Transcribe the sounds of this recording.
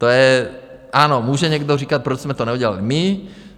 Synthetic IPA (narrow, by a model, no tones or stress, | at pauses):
t̪ojɛ | ʔaːnɔmuːʒɛɲɛɡd̪ɔriːkat̪̚pɾɔt͡ʃzmɛt̪ɔɲɛuɟɛla̰limi